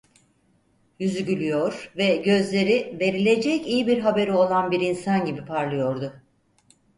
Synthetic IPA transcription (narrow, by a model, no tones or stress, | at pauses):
jyzyɟylʲyjoɾ̥vɛɟø̞zlʲe̞ɾive̞ɾilʲe̞d͡ʒɛcijibiɾɦabe̞ɾio̞lˠanbiɾinsanɟibipʰaɾlˠɯjo̞ɾd̪ʊ